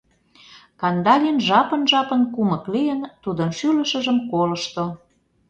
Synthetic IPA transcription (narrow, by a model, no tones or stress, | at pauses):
kɑnd̪ɑlʲinʒɑpə̆nʒɑpənkumə̆klijənt̪ud̪ənʃylə̆ʃə̆ʒəmkolə̆ʃt̪o